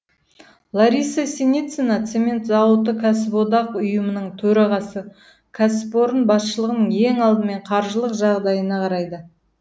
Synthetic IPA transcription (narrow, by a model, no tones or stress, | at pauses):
lˠaɾijsasʲenit̪senat̪semʲe̞nt̪zɑwət̪ːəkʰas̬bod̪ɑqʊjəmənəɴt̪ʰɵɾɑʁɑsə | kʰaspo̞ɾənbɑsʃəlˠəʁənəɴeŋɑlˠd̪əme̞ɴqʰɑɾʒəlˠəqʒɑʁd̪ɑjənɑqʰɑɾɑjd̪ə